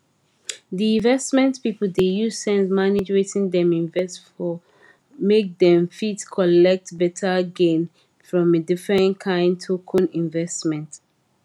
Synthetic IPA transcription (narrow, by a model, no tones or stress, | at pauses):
diĩnvɛstmɛ̃ntpipəl̩dejusɛ̃nsmanid͡ʒɹetĩŋdɛ̃mĩnvɛstfɔ | mek̚dɛ̃mfitkʰɔlɛk̚tbɛtʰəɡẽn | fɹɔ̃medifɹɛ̃ntkʰãɪ̃ndtʰokʰɔ̃nĩnvɛstmɛ̃nt